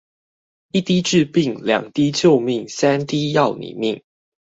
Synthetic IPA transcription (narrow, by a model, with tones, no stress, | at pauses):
i˥˩t̪i˥ʈ͡ʂ̩˥˧pi˥˨ŋljɑ̰˨˩ŋt̪i˦t͡ɕjo˥˧ʊmi˥˨ŋsa˥˦nt̪i˦jɑ˥˨ʊnḭ˨˩mi˥˨˩ŋ